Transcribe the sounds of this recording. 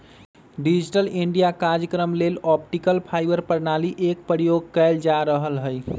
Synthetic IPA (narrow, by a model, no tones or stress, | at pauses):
ɖid͡ʒiʈəliɳɖijakaɾɾjəkɾəmlelɔpʈikəlpʰajbəɾpəɾnaliʔek̚pɾjoɡ̚kəɪld͡ʒaɾəɦəlɦəj